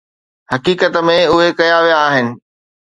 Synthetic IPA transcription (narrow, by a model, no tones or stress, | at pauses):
hɐkiːkət̪ə̆mẽʊɦekɐjaʋijaːɦɪnɪ̆